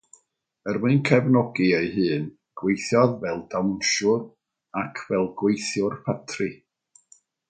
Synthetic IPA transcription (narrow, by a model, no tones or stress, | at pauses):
ərmɨɨnkʰɛvnɔɡieɨhɨːn | ɡ̥wejθjɔðvɛlˠdawnʃʊr | akʰvɛlˠɡwejθjʊrpʰatʰrɨ